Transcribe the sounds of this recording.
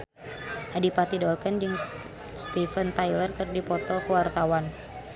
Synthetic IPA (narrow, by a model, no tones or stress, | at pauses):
ʔadipat̪idɔlkənd͡ʒɨŋ | st̪ifənt̪ajlərkərdipɔt̪ɔkəwart̪awan